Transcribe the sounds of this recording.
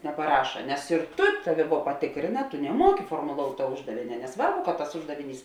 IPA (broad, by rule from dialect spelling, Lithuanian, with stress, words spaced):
nʲɛpɐˈrɑːʃɐ nʲɛs ɪr ˈtʊ ˈtɑːˌʋʲɪ ʋuɔ pɐˈtʲɪkrʲeːnɐ tʊ nʲɛˈmuɔkʲɪ foːrmoːˈlˠoːʊtʲ tuɔ ˈʊʒdɐʋʲeːnʲɛ nʲɛˈsʋɐrbʊ kɐt tɐs ˈʊʒdɐʋʲɪˌnʲiːs